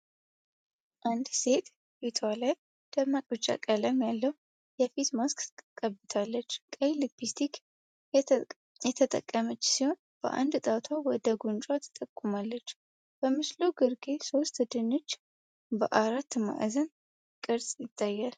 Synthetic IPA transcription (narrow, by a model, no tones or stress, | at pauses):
ʔand̪se̞t̪ | bit̪ʰwalaj | d̪̥əmakʼɨt͡ʃʼːa̰kʼələmjalːəhu | jɛfit̪mask̪kʼəbːɨt̪ʰalːət͡ʃːkʼəjlɨbist̪ʰik | jɛt̪ʰət̪ʼə̰kʼːəmət͡ʃːsiho̞n | b̥ə̰ʔa̰nd̪t̪ʼat̪ʰwawɔd̪əɡunt͡ʃʼwat̪ʰɨ̥t̪ʼəkʼːumalːət͡ʃː | b̥əmɨsloɡɨɾɡeso̞st̪d̪ɨnːo̞t͡ʃː | bəʔaɾat̪ːma̰ʔzən | kʼɨɾsʼjɪt̪ʰːajːal